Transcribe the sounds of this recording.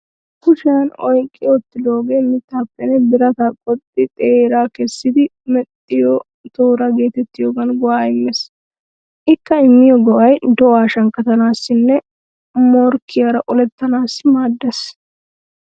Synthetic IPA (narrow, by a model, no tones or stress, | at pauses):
kʊʃanɔjkʼːɪjɔt̪ːɪd̪o̞ːɡeːmɪt̪ːaːpːɛnɛbɪɾɐt̪ɐkʼɔt̪ʼːɪt̪ʼeːɾaːkɛsːɪd̪ɪ | mɛt̪ʼːɪjɔ | t̪oːɾɐɡe̞ːt̪ɛt̪ːɪjoːɡɐnɡʊwaːɪmːɛs | ʔɪkːɐɪmːɪjɔɡɔʔɐjd̪ɔʔaːʃɐŋkːɐt̪ɐnaːsːɪnːɛ | mɔɾkʰːɪjɐɾɐʔɔlɛt̪ːɐnaːsːmaːd̪ːɛs